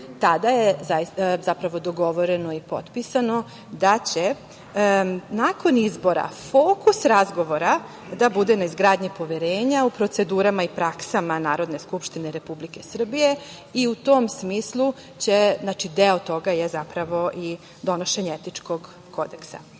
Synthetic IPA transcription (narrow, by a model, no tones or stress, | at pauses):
t̪ad̪ajezazapɾaʋo̞d̪o̞ɡo̞ʋo̞ɾe̞noipo̞̰t̪pisano̞ | d̪at͡ɕe̞ | nako̞nizbo̞ɾa̰fo̞ːkusɾazɡo̞ʋo̞ɾa | d̪abud̪e̞naizɡɾaːd̪ɲipo̞ʋeɾeːɲaupɾot̪se̞d̪uːɾamaipɾaksamanaːɾo̞d̪ne̞skupʃt̪ine̞ɾe̞publike̞sr̩bije̞ | iut̪o̞msmiːslˠu | t͡ɕeznat͡ʃid̪eot̪o̞ɡajezapɾaʋo̞ʔi | d̪o̞no̞ʃeɲeet̪it͡ʂko̞ɡ | ko̞d̪eksa̰